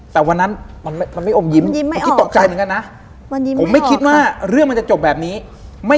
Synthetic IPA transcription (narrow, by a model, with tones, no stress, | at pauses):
t̪ɛː˨˩wa˧nːa˦˥nma˧nma˥˩ma˧nma˥˩jʔo˨˩mji˧m˧˦ki˦t̪to˨˩k̚t͡ɕa˧jt̪ɯ˩˦ŋka˧na˦˥ | pʰo˩˦mːa˥˩jkʰi˦˥t̪̚waː˥˩ɾɯ˥˩əŋa˧nt͡ɕa˨˩t͡ɕo˨˩p̚bɛː˨˩p̚niː˦˥ | ma˥˩